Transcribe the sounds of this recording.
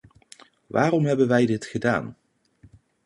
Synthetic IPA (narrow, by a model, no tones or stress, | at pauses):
ʋʔaːrɔmɦɛbənʋɛjdɪtχəda̰ːn